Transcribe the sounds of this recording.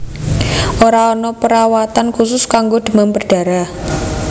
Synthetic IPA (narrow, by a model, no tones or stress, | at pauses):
ʔoɾaɔnɔpəɾawat̪ankusʊskaŋɡod̪̥ə̤mampərɖ̥a̤ɾa